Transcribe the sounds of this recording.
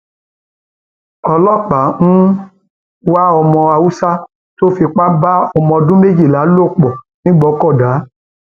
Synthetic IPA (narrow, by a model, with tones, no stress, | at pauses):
ɔ˧lɔ˦˨k͡pa˨˦ŋũ˦ | wa˦ɔ˧mɔ̃˧a˧wu˦sa˦ | to˦fi˧k͡pa˦ba˦ɔ˧mɔ̃˧dũ˦me˦d͡ʒi˦˨la˨˦lo˦˨k͡pɔ˨ | nĩ˦ɡ͡bɔ˨˦kɔ˦˨da˨˦